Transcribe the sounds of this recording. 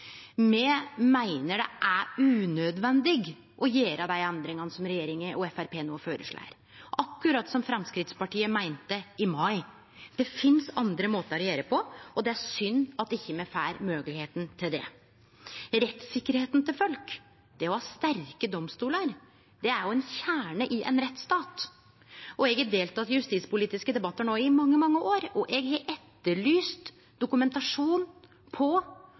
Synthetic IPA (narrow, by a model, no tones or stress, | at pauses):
mɛmæɪnəɖɛʔæʉːnød̪ʋɛnd̪ɪɡ | ʔɔjeːɾɑd̪æɪɛnd̪ɾɪŋɑnəsɔmɾɛjeːɾɪŋəʔɔɛfæɾpeːnoːføːɾə̰ʂɭæ̰ːə̰ɾ | ʔɑkːʉɾɑt̪ːsɔmfɾɑmskɾɪt̪spɑʈiːəmæɪnt̪əɪmɑɪ | d̪̥ɛfɪnsɑnd̪ɾəmoːt̪əɾɔɾjeːɾəpʰɔʔɔd̪ɛæʂʏnːɑt̪̚ɛɪçːəmɛfæːɾmøːɡəlɪheːt̪n̩t̪ʰɪld̪ɛ̰ | ɾɛt̪sɪkːəɾheːt̪nt̪ʰɪlfœlk | d̪̥ɛɔhɑːst̪æɾkəd̪ɔmst̪uːləɾ | d̪ɛæɾjʊɛnçæːɳəʔɪʔɛ̰nɾɛt̪ːst̪ɑːt̪ | ʔɔɛɡɛd̪eːlt̪ɑt̪jʉst̪iːt̪spʊliːt̪ɪskəd̪ɛbɑt̪ːəɳoːɪmɑŋːəmɑŋːəʔoːɾɔʔɛɡhɛʔɛt̪ːəɭyːst̪ | d̪ʊkʉmɛnt̪ɑʂuːn | pʰɔ